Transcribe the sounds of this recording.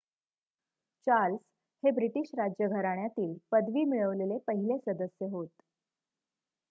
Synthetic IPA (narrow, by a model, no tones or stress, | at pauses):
t͡ɕals | hebɾiʈiɕɾad͡ʑjəɡʱəɾaɳjat̪iːlpəd̪ʋiːmiɭəʋlelepəɦilesəd̪əsjəɦot̪